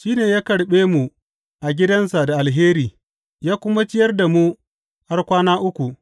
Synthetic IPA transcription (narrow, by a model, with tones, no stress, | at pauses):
ʃiː˦neː˨jaː˦kɐ˨ɽɓeː˦mu˨ | ʔa˨ɡʲɪ˦dɐ˦nsa˨da˨ʔa˨lɦeː˦ɾiː˨ | jaː˦kʷʊ˦ma˦t͡ʃɪ˦jɐ˦rda˨mu˦ | ha˦rkʷaː˦naː˦ʔʊ˦kʷu˨ʔ